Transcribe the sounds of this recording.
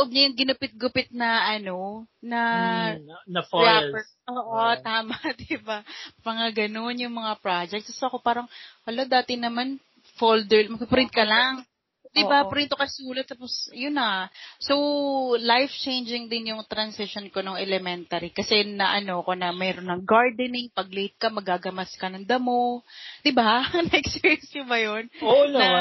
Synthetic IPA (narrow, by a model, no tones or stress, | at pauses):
loʔob̚ɲɐjʊŋɡɪnʊpɪt̪̚ɡʊpɪt̪̚nɐʔɐno̞nɐ | ɐfɹapɛ | oːʔot̪aːmɐd̪ibapɐŋaɡɐno̞njʊŋmɐŋapɾad͡ʒɛk̚t̪ssoʔɐko̞paːɾɐŋwɐlod̪aːt̪ɪnɐman | fold̪ɛɹmɐpɾɪ̃nt̪̚kɐlaŋ | d̪ɪbapɾɪnt̪okɐsuːlɐt̪ːaːposjʊnasowlajft͡ʃejnd͡ʒɪŋd̪ɪnjʊŋt̪ɾɐnsɪʃonko̞noŋɛlɛmɛnt̪ɐɾikɐsɛnɐʔɐno̞konɐmɛːɾonːɐŋɡaɹd̪ɛnɪŋpɐɡ̚let̪̚kɐmɐɡaːɡɐmɐskɐnɐŋd̪ɐmo̞d̪̥ɪbanɐʔɛksɛɛnsjɐbɐjonoɐ